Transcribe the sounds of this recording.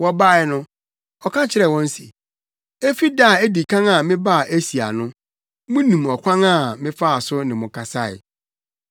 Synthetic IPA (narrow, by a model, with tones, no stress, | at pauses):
wɔ˦ba˦˨ɛ˨nʊ̃˦ | ɔ˨kʰã˦t͡ɕʰɪ˦ɾɛ˨wɔ̃˦n̩˦si˨ | e˦fi˦da˦˨e˦di˨kʰã˦ŋa˨mɪ̃˦ba˦˨ʔe˦si˨a̰˨nʊ̃˦ | mʊ̃˦nĩ˨mɔ˨kʷʰã˦ŋã˦˨mɪ̃˦fa˦a˨sʊ˦nɪ̃˨mʊ̃˨kʰa˨sa˦ɪ̰˨